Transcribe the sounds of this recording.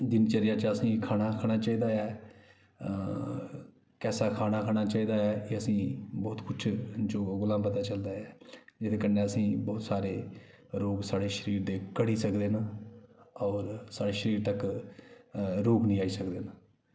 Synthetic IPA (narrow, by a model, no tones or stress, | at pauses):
d̪ɪnt͡ʃəɾɪjãːt͡ʃəsĩːkʰaːnaːkʰaːɽ̃aːt͡ʃaːiːd̪aːɛː | kɛːsaːkʰaːnaːkʰaːɽ̃aːt͡ʃaːiːd̪aːɛːeːəsĩːbɔːt̪kʊt͡ʃʰd͡ʒoːɡʊlãːmpət̪aːt͡ʃəld̪aːɛːd͡ʒɪt̪ʰeːkənːẽːəsĩːbɔːt̪saːɾeː | ɾoːɡsaːɽeːʃəɾiːɾd̪eːkəɽiːsəkd̪eːnaː | ɔːɾsaːɽeːʃəɾiːɾt̪ək | ɾoːknĩːaːiːsəkd̪eːnaː